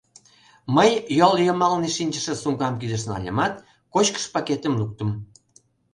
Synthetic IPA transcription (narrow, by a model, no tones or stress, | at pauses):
məjjoljomɑlneʃinʲt͡ɕə̆ʃĕsuŋkɑmkyd̪ə̆ʃnɑ̰lʲə̰̆mɑt̪ | kot͡ɕkə̥ʃpɑket̪ə̆mluk̚t̪ə̆m